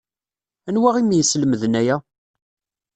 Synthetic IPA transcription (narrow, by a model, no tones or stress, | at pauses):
ænwæʁimjəsləməðnæjæ